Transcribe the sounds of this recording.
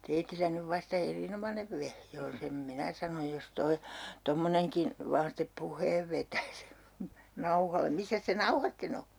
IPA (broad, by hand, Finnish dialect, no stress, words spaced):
teitilːæ nyʋ ʋɑstɑ erinomɑneʋ ʋehje on sem minæ sɑnoj jos toi tomːoneŋkin̞ ʋɑːn step puhˑeːʋ ʋetæs nɑuhɑle misːæs se nɑuhɑ sten o